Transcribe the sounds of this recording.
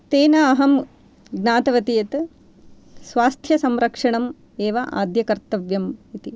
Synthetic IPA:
t̪eːnɐːɦɐm | ɡnaːt̪ɐʋɐt̪ijɐt̪ | sʋaːst̪ʰjɐsɐmɾɐkʂɐɳɐm | eːʋɐʔa̰ːd̪jɐkɐɾt̪ɐʋjɐmit̪i

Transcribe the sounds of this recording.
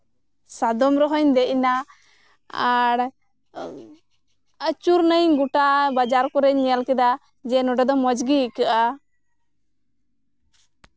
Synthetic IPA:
sad̪ɔmɾɔɦɔɲd̪ɛʔna | aɽ | ət͡ʃuɾnəjɡuʈabad͡ʒaɾkɔɾɛɲːɛjalkɛd̪a | d͡ʒɛnɔɖɛd̪ɔmɔd͡ʒɡikəʔa

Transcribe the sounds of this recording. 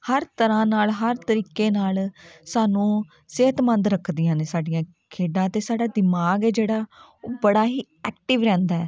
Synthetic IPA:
həɾt̪əɾãːnaːlɦəɾt̪əɾiːkːeːnaːlsaːnũː | sɪɦət̪mə̃nd̪ɾəkʰd̪ɪjãːneːsaːɖɪjãː | kʰeːɖãːət̪eːsaːɖaːd̪ɪmaːɡɛːd͡ʒeːɽaː | oːbəɽaːɦiː | ɛːk̚ʈɪʋɾɛ̃ːnd̪aːɛː

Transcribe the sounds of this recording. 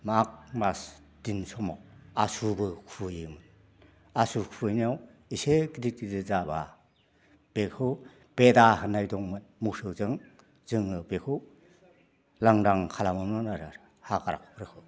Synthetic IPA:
maak̚mas | d̥insɔma̰wasubɯkʰujɯmɯn | asukʰuɯjniaw | iseɡidit̚idɯzaba | b̥ekʰɯw | b̥edahɯnajdɔŋmɯnmusɯwzɯŋ | zɯŋɯbekʰɯw | laŋɾaŋkʰalamamnɔnaɾɯɾ | hakaɾa̰kʰpʰɾɯkʰɯw

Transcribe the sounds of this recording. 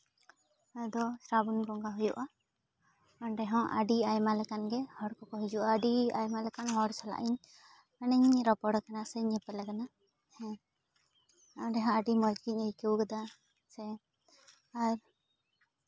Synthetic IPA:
ad̪ɔsɾabunɡɔŋɡaɦujuʔa | ɔɳɖɛɦɔ̃ʔa̰ɖiajmalɛkanɡɛhɔɽkɔkɔɦid͡ʒuʔaːɖia̰jmalɛkanhɔɽsala̰ʔiɲ | anɛɲɲɾɔpɔɽkanasɛɲɛpɛlɛkana | hɛ | aɖɛɦãaɖimɔd͡ʒɡiɲəjkɛwkad̪a | sɛ | aɾ

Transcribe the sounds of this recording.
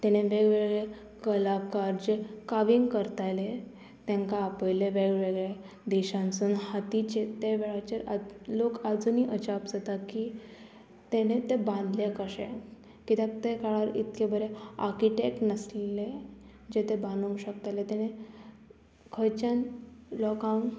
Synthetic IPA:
t̪eñeʋeɡʋeɡɭe | kəlakaɾd͡ʑekaʋiŋɡkəɾt̪ajle | t̪ɛ̃ŋkaːpəjleʋeɡʋeɡɭe | d̪eɕãnt͡sunhat̪it͡ɕet̪eʋeɭat͡ɕeʔalokad͡zuniʔət͡ɕapd͡zat̪aki | t̪enet̪ebãnd̪lekaɕḛ̃ | kit̪at̪ekaɭaɾit̪kebəɾea̰ɾkiʈek̚ʈnəslle | d͡ʑet̪ebãnũŋɕəkt̪alet̪eñe | kʰəjt͡ɕanlɔkã

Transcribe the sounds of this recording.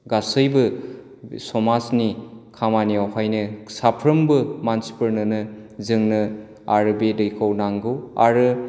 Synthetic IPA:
ɡasɯjbɯ | sɔmasnikʰamaniawhajnɯsapʰɾɯmbɯmansi̥pəɾnɯnɯzɯŋnɯ | a̰ɾɯbedɯjkʰawnaŋɡɯa̰ɾɯ

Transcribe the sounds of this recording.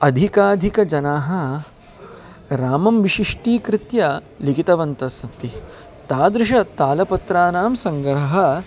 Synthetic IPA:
ɐd̪ʱikaːd̪ʱikɐd͡ʒɐnaːɦɐ̆ | ɾaːmɐmʋiʃiʂʈiːkɾɪt̪jɐ | likit̪ɐʋɐnt̪ɐsɐt̪i | t̪aːd̪ɾɪʃɐt̪aːlɐpɐt̪ɾaːnaːmsɐŋɡɾɐɦɐ̆

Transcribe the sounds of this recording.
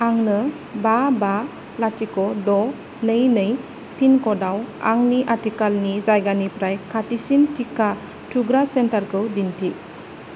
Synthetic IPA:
aŋnɯ | baba | latikɔdɔ | nɯjnɯj | pʰinkɔdawa̰ŋniʔatikalnizajɡanipɾajkʰatisintika | tʰuɡɾasentaɾkɯwdintʰi

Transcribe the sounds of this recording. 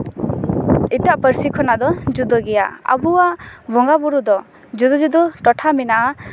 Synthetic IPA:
itaʔpəɾsikʰɔnad̪ɔd͡ʒud̪ɔɡɛja̰a̰buwaʔbɔŋɡabuɾud̪ɔ | d͡ʒud̪ɔd͡ʒud̪ɔʈɔʈʰaminaʔ

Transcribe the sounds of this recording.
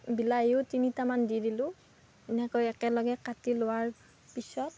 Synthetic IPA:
bilaejʊtinitamandidilʊ̃ | ɛnɛkɔjɛkɛlɔɡɛkatilʊwaɹ | pisɔt̚

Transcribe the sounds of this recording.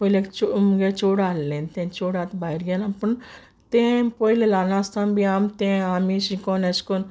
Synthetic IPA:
poːilekt͡ʃomɡet͡ʃoːɽaːlːent̪ẽːnt͡ʃoːɽaːt̪bajɾɡanɐpːun | t̪ẽpoilelaːnaːst̪ʰambiaːmt̪ẽaːmisikoːneskon

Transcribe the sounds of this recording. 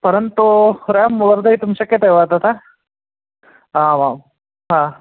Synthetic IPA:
pɐɾə̃nt̪uɾeːmʋɐɾd̪ɐɦit̪ʊmʃɐkːɐt̪eʋat̪at̪ʰaː | ɦãːʋaːm | ɦãː

